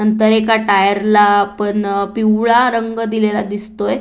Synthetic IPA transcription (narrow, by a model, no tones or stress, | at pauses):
nənt̪əɾekaʈajəɾlaːpəɳpiwɭaɾəŋɡd̪ilelad̪ist̪oj